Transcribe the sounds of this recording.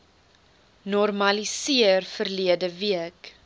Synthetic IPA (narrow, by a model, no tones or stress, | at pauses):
nɔrmɐlisiərfərliədəviək